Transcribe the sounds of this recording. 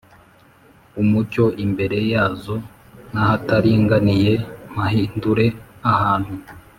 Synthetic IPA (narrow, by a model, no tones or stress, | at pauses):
umuɾco̞ʔimbe̞ɾe̞jaːzo̞ | nahataɾiŋɡanije̞m̥aɦiːnduɾe̞ahaːn̥hu